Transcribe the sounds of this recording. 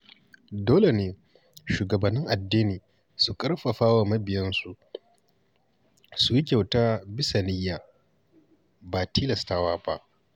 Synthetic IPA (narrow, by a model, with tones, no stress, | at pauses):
doː˦le˨neː˦ | ʃuː˨ɡɐ˨bɐ˨nːɪ˦ŋʔa˨dːiː˦niː˨ | su˨kʼɐ˦rɸɐ˨ɸaː˦wa˨mɐ˦bɪ˨jɐ˦nsu˦ʔ | su˨ji˦kʲa˨wtaː˦bɪ˦sa˨nɪ˦jːaː˨ | baː˨tiː˦lɐ˨staː˦waː˦ba˦ʔ